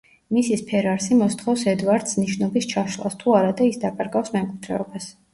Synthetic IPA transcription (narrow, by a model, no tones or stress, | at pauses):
misispʰɛɾaɾsimɔst̪ʰχɔfsɛd̪vaɾd̪sniʃnɔbist͡ʃʰaʃlˠa̰st̪ʰuaɾad̪aisd̪apʼaɾɡafsmɛmkʼwid̪̥ɾɛ̰ɔbas